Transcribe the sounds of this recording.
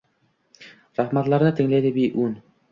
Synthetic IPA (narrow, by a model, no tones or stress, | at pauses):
ɾɑχmɑt̪lˠɑɾnɤt̪ʰɪ̆ŋlæjd̪ɪbijʔʉn